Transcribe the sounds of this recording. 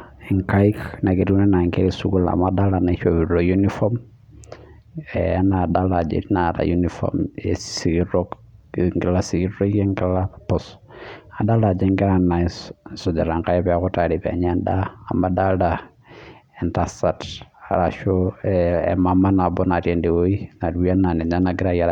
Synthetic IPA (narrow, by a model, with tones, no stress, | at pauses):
iŋka˦ikna˨ki˨tu˦nɛ˦na˨ŋke˦ɾisu˦ɡu˦la̰˨mada˦la˨na˨˦ʃobi˨ɾo˨junifɔ˦m | ɛa˦nadalad͡ʒḛɾina˨ta̰ju˦nifɔ̰mesiɡiɾok | ŋɡi˦la˦siɡi˦ɾo˦ke˦ŋɡi˦la˦pɔsa˨da˦la˨d͡ʒe˦ŋɡi˦ɾa˦na˨ssɔ˨d͡ʒa˨ɾa˨ŋka˦jɛ˦pɛ˨˦kɔ˦taɾi˨pɛ̰˨ɲɛ˦ndaː˦˨madalda | ɛntasa˨ta̰˨ɾaʃo | ɛ̰mama˦na˨bɔ˦na˨ɾje˨nde˨wo˦i˦na˨ɾwi˦a˦na˨ne˨ɲa˦na˨ɡi˦ɾa˦ja˨ɾ